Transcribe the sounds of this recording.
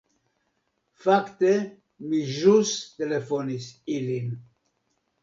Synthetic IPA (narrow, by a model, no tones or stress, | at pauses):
fakt̪e | miʒust̪elefonisilin